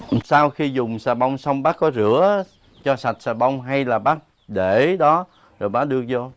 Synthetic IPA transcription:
saː˧wxi˧zʊ˨˩ŋ͡msaː˨˩ɓa˧wŋ͡msə˧wŋ͡mɓaː˦˥kːɔ˨˦zɨ˧˩˦ə | t͡ɕɔ˧sa˨˩t̚saː˨˩ɓə˧wŋ͡mɦa˧jlaː˨˩ɓaː˦˥k̚ | ɗe˧˩ɗɔ˨˦ | zo˨˩jɓaː˨˦˥ɗɨ˧ək̚zo˧

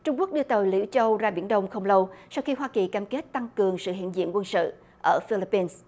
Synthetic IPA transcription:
t͡ɕʊ˧ŋ͡mku˦˥ək̚ɗɨ˧ət̪o˨˩jlḭ˧˥wt͡ɕə˧wzaː˧ɓḭ˧˩ənɗə˧wŋ͡mxə˧wŋ͡mlə˧wsa˧wxi˧ɦwaː˧ki˨˩kaː˧mke˦˥t̚t̪a˧ŋkɨ˨˩əŋsɨ̰˧˨ɦḭ˧˨nzḭ˧˨ənkwə˧nsɨ̰˧˨ | ʔəː˧˩fi˧li˦˥pːi˧ns

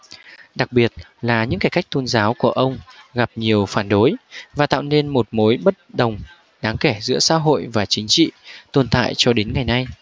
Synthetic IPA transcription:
ɗa˨˩k̚ɓi˨˩ət̚laː˨˩ɲɨ̰˧˥ŋkaː˧˩ka˦˥jk̚t̪o˧nzaː˨˦wku˧˩əʔə˧wŋ͡mɣa˨˩p̚ɲi˨˩əwfaː˧˩nɗo˨˦jvaː˨˩t̪a̰ː˧˨wne˧nmo˨˩t̚mo˨˦jɓə˦˥t̚ɗə˨˩wŋ͡m | ɗaː˨˦ŋkɛ˧˩zɨ̰˧˥əsa̰ː˧˥ɦo̰˧˨jvaː˨˩t͡ɕï˨˦ŋ̟t͡ɕḭ˧˨t̪o˨˩nt̪a̰ː˧˨jt͡ɕɔ˧ɗe˨˦nŋa˨˩jna˧j

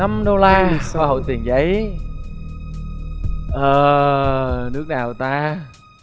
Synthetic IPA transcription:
a˧mɗo˧laː˧xaː˧ho̰˧˨jt̪i˨˩ənzə˨˦j | ʔəː˨˩ | nɨ˦˥ək̚naː˨˩wt̪aː˧

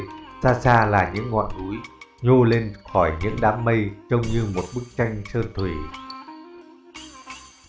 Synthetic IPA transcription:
saː˧saː˧laː˨˩ɲɨ̰˧˥ŋːɔ̰˧˨nu˨˦jɲo˧le˧nxɔ˧˩jɲɨ̰˧˥ŋɗaː˨˦mːə˧jt͡ɕə˧wŋ͡mɲɨ˧mo˨˩t̚ɓɨ˦˥k̚t͡ɕa˧jŋ̟t͡ɕəː˧nt̪ʰwi˧˩

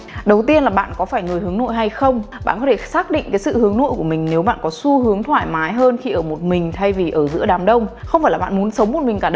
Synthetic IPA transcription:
ɗə˨˩wt̪i˧ənlaː˨˩ɓa̰ː˧˨nkɔ˨˦faː˧˩jno˧˩jhɨ˨˦əŋno̰˧˨jɦa˧jxə˧wŋ͡mɓɓa̰ː˧˨nkɔ˨˦t̪ʰe˧˩saː˦˥k̚ɗḭ̈˧˨ŋ̟kaː˨˦jsɨ̰˧˨hɨ˨˦əŋno̰˧˨jku˧˩əmï˨˩ŋ̟ne˨˦wɓa̰ː˧˨nkɔ˨˦su˧ɦɨ˨˦əŋt̪ʰwa̰ː˧˨jmaː˨˦jɦəː˧nxi˧ʔəː˧˩mo˨˩t̚mï˨˩ŋ̟t̪ʰa˧jvi˨˩ʔəː˧˩zɨ̰˧˥əɗaː˨˦mɗə˧wŋ͡mxə˧wŋ͡mfaː˧˩jlaː˨˩ɓa̰ː˧˨mu˨˦ənsə˨˦wŋ͡mmo˨˩mï˨˩ŋ̟kaː˧˩ɗ

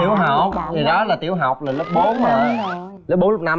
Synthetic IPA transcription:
i˧˩əwɦa˨˩k͡p̚t̪ʰi˨˩ɗɔ˨˦laː˨˩t̪ḭ˧˩əwɦa˨˩wk͡p̚laː˨˩lk͡p̚ɓo˨˦naː˨˩ | l̚ɓo˨˦nlʊ˦˥k͡p̚naː˨˩˨

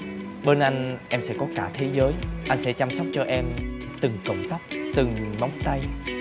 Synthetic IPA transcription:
ɓe˧nʔa˧jŋ̟ʔɛ˧msɛ̰˧˥kɔ˨˦kaː˧˩t̪ʰe˨˦zəː˨˦jʔa˧j̟sɛ̰˧˥t͡ɕa˧msɔ˦˥wk͡p̚t͡ɕɔ˧ʔɛ˧m | t̪ɨ˨˩ŋkə˧˩wŋ͡mt̪a˦˥k͡p̚t̪ɨ˨˩ŋma˨˦wŋ͡mt̪a˧j

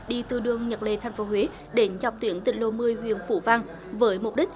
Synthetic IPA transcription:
ɗi˧t̪ɨ˨˩ɗɨ˧əŋɲə˨˩t̚lḛ˧˨˩t̪ʰa˨˩jŋ̟fo˨˦ɦwe˨˦ | ɗe˨˦nza˨˩k͡p̚t̪wi˨˦ənt̪ï˨˩ŋ̟lo̰˧˨mɨ˧əjɦwḭ˧˨ənfṵ˧˩vaː˧ŋ | vəː˨˦jmʊ˨˩k͡p̚ɗi˦˥k̟̚

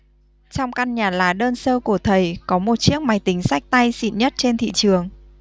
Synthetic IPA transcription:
t͡ɕɔ˧wŋ͡mka˧nɲaː˨˩laː˨˩ɗəː˧nsəː˧ku˧˩ət̪ʰə˨˩jkɔ˨˦mo˨˩t̚t͡ɕi˦˥ək̚ma˨˦jt̪ï˨˦ŋ̟sa˦˥jk̚t̪a˧jsḭ˧˨nɲə˦˥t̚t͡ɕe˧nt̪ʰḭ˧˨t͡ɕɨ˨˩əŋ

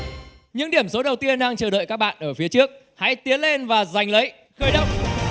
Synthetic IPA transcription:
ɲɨ̰˧˥ŋɗi˧˩əmso˨˦ɗə˨˩wt̪i˧ənɗaː˧ŋt͡ɕəː˨˩ɗə̰ː˧˨jkaː˦˥k̚ɓa̰ː˧˨ʔəː˧˩fi˨˦ət͡ɕɨ˦˥ək̚ | ha̰˧˥jt̪i˨˦ənle˧nvaː˨˩za˨˩jŋ̟lə˨˦j | xəː˧jɗə˧˥wŋ͡m̚

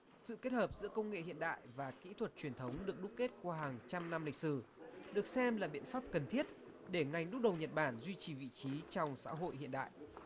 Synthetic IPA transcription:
sɨ̰˧˨ke˦˥t̚həː˨˩p̚zɨ̰˧˥əkə˧wŋ͡mŋḛ˧˨hḭ˧˨ənɗa̰ː˧˨jvaː˨˩kḭ˧˥t̪ʰwə˨˩t̚t͡ɕwi˨˩ənt̪ʰə˨˦wŋ͡mɗɨ˨˩ək̚ɗʊ˦˥k͡p̚ke˦˥t̚kwaː˧ɦaː˨˩ŋt͡ɕa˧mna˧mlï˨˩k̟̚sɨ˧˩ɗɨ˨˩ək̚sɛ˧mlaː˨˩ɓḭ˧˨ənfaː˦˥p̚kə˨˩nt̪ʰi˦˥ət̚ | ɗe˧˩ŋa˨˩jŋ̟ɗʊ˦˥k͡p̚ɗə˨˩wɲə˨˩t̚ɓaː˧˩nzwi˧t͡ɕi˨˩vḭ˧˨t͡ɕi˨˦t͡ɕɔ˧wŋ͡msa̰ː˧˥ɦo̰˧˨jhḭ˧˨ənɗa̰ː˧˨jʔ

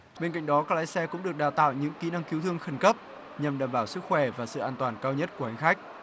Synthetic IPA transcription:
ɓe˧nka̰˧˨jŋ̟ɗɔ˨˦kaː˦˥k̚laː˨˦jsɛ˧kʊ̰˧˥ŋ͡mɗɨ˨˩ək̚ɗaː˨˩wt̪a̰ː˧˨wɲɨ̰˧˥ŋki˨˦na˧ŋki˨˦t̪ɨ˧əŋxə˧˩nkə˦˥p̚ | ɲa˨˩mɗaː˨˩mɓaː˧˩wsɨ˦˥k̚xwɛ˧˩vaː˨˩sɨ̰˧˨ʔaː˧nt̪waː˨˩nkaː˧wɲə˦˥t̚ku˧˩əha˧˩ŋ̟xa˦˥jk̟̚

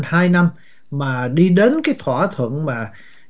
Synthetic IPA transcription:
nhaː˧jna˧m | maː˨˩ɗi˧ɗe˨˦nkaː˨˦jt̪ʰwaː˧˩t̪ʰwə̰˧˨əŋmaː˨˩

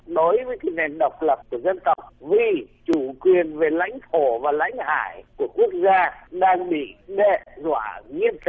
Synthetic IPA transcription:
ɗo˨˦jvəː˨˦jkaː˨˦jne˨˩nɗə˨˩wk͡p̚lə˨˩p̚ku˧˩əzə˧nt̪ə˨˩wk͡p̚vi˨˩t͡ɕu˧˩kwi˨˩ənve˨˩la̰˧˥jŋ̟t̪ʰo˧˩vaː˨˩la̰˧˥˦jŋ̟ha̰ː˧˩jku˧˩əku˦˥ək̚zaː˧ɗaː˧ŋɓḭ˧˨ɗḛ˧˨zwa̰ː˧˩˨ŋi˧ənt͡ɕ

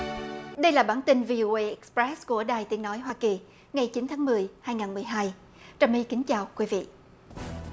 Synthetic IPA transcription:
ɗə˧jlaː˨˩ɓaː˧˩nt̪i˧nvi˧ʔo˧ʔe˧jʔɛ˨˦k̚spɹɛ˦˥sku˧˩əɗaː˨˩jt̪i˨˦ənɔ˨˦jɦwaː˧ki˨˩ | ŋa˨˩jt͡ɕi˨˦nt̪ʰaː˨˦ŋmɨ˨˩əjhaː˧jŋaː˨˩nmɨ˨˩əjɦaː˧j | t͡ɕə˨˩mʔi˧kï˨˦ŋ̟t͡ɕaː˨˩wkwi˨˦vḭ˧˨ʔ

